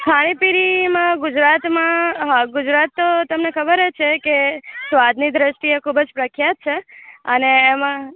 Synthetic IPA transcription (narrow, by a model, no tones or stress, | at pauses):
kʰaɽ̃ĩpiɾimãɡʊd͡ʒɾat̪mãɦəɡʊd͡ʒɾat̪ːot̪əmnekʰəbəɾet͡ʃʰekesʋad̪ʱnid̪ɾəʃʈiekʰubəd͡ʒpɾəkʰjat̪̚t͡ʃʰeəneːmã